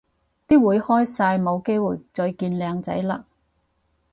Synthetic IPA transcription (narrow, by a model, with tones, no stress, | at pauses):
t̪iː˥wuː˨˥jhɔː˥jsaː˧jmo˨˧wke˥jwuː˨˩jt͡sɵ˧ɥkiː˧nlɛː˨˧ŋt͡sɐ̰˨˥jla̰ː˧